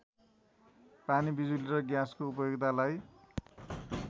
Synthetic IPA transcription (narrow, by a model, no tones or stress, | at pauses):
panibid͡zuliɾʌɡjaskoup̬ʌjoɡt̪alaj